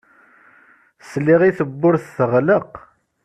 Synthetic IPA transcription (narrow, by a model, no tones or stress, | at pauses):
sliʁiθəbːʊɾθθəʁləq